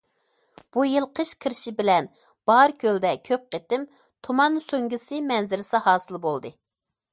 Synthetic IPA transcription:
b̥ujɨlˠqʰəʃkʲʰɨɾɪʃibɪlɛn | b̥ɑɾkʲʰøld̪ɛkʲʰøp̚qet̪ɪm | t̪ʰomɑnsoŋɡʲisɨmɛnzɪɾɪsɑɦɑːsɨlˠbolˠd̪ɨ

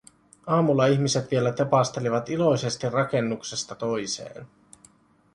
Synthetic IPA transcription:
ɑːmulːɑiçmise̞t̪ʋie̞læt̪e̞pɑst̪e̞liʋɑt̪ilo̞jse̞st̪irːɑke̞nːukse̞st̪ɑt̪o̞jse̞̰ːn

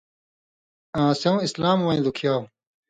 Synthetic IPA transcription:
ãːsew̃islaːmwɐ̃ĩd̪ukʰjaː

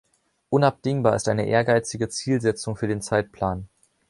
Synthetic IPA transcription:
ʔʊnap̚d̥ɪŋbaːɐɪstʔaɪnəʔeːɐɡaɪt͡sɪɡət͡siːlzɛt͡sʊŋfyːɐdeːnt͡saɪt̚pʰl̥aːn

